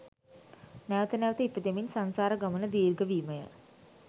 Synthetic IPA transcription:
nɛʋət̪ənɛʋət̪əipəd̪eminsansaːɾəɡamənəd̪iːrɡəʋiːməjə̰

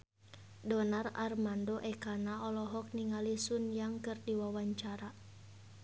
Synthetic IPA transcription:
dɔnararmandoʔɛkanaɔlɔɦɔk̚niŋalisunjaŋkɨrdiwawaɲt͡ʃaɾa

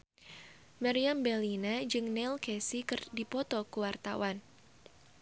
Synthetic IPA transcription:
maɾiambɛlinad͡ʒɨŋnɛlkɛsikɨrdipɔt̪ɔkuwart̪a̰wan

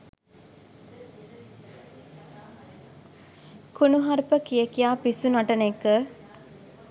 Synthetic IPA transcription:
kunuɦaɾpəkijəkijaːpisunaʈənekə

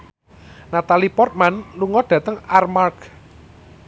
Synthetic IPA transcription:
nat̪alipɔrt̪̚manluŋɔɖ̥ä̤t̪əŋarmark

